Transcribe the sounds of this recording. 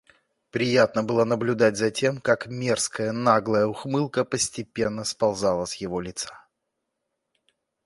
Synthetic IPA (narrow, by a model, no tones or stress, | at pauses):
pɾʲɪjat̪nəbɨlˠənəblʲʊd̪atʲzɐtʲe̞mkakmʲe̞rskəjənaɡlˠəjəʊxmɨlˠkəpəsʲtʲɪpʲenːəspɐlˠzɑlˠəsʲjɪvolʲɪt̪sḁ